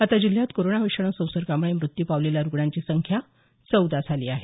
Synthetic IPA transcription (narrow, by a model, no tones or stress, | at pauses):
at̪ad͡ʑil̤jat̪koɾoɳaʋiʂəɳ̃ə̃sə̃w̃səɾkamɭemɾut̪ːjiːpaʋleljaɾuɡɳaɲt͡ɕiːsəŋkʰja | t͡səwd̪ad͡zʰʱaliːaɦe